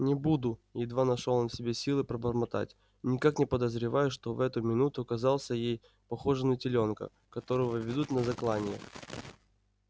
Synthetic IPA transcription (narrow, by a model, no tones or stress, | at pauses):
nʲɪbud̪ʊjɪd̪vanɐʂolˠonsʲɪbʲesʲilˠɨpɾəbərmɐt̪a̰tʲ | nʲɪkaknʲɪpəd̪əzɾʲɪvajʊʂt̪o̞vɛt̪ʊmʲɪnut̪ʊɐkɐzɑlˠsʲəjej | pɐxo̞ʐənətʲɪlʲo̞nkə̰ | kɐt̪o̞ɾəvəvʲɪd̪ut̪nəzɐklˠanʲɪjə̰